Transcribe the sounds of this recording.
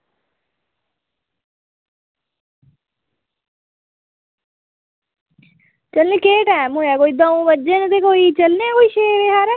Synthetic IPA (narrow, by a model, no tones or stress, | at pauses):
t͡ʃəlnẽːkeːʈaːmɦoːaːkoːiːd̪ɔːõbəd͡ʒeːnət̪eːkoːiːt͡ʃəlnẽkoːiːʃeːʋeːɦaːɾɛː